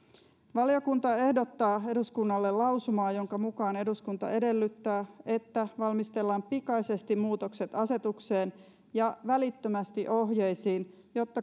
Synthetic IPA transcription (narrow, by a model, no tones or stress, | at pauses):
ʋɑlio̞kunt̪ɑe̞hdo̞t̪ːɑːe̞duskunːɑlːe̞lɑwsumɑːjo̞ŋkɑmukɑːne̞duskunt̪ɑ̰ʔe̞de̞lːyt̪ːæːe̞t̪ːæʋɑlmist̪e̞lːɑːmpikɑise̞st̪imuːt̪o̞kse̞t̪ɑse̞t̪ukse̞ːn | jɑʋælit̪ːømæst̪iʔo̞ɦjejsiːn | jo̞t̪ːɑ